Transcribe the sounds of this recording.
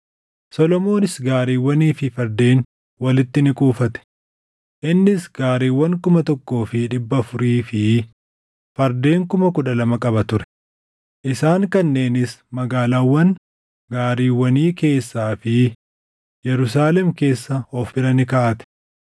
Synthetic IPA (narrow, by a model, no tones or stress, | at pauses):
sɔlɔmo̞ːnɪsɡaːɾiːwːɐniːfɪfɐɾd̪e̞ːn | wɐlɪt̪ːɪnɪkʼuːfɐt̪ɛ̥ | ʔɪnːɪsɡaːɾiːwːɐŋkʊmɐt̪ɔkːo̞ːfɪᶑɪbːɐfʊɾiːfɪ | fɐɾd̪e̞ːŋkʊmɐkʊᶑɐlɐmɐkʼɐbɐt̪ʊɾɛ̥ | ʔɪsaːŋkɐnːe̞ːnɪsmɐɡaːlaːwːɐn | ɡaːɾiːwːɐniːke̞ːsːaːfɪ | jɛɾʊs̬aːlɛmke̞ːsːɐɔfɪɾɐnɪkaʔɐt̪ɛ̥